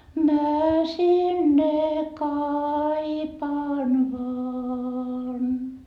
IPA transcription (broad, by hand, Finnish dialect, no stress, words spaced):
mæ sinːe kɑipɑːn ʋɑːn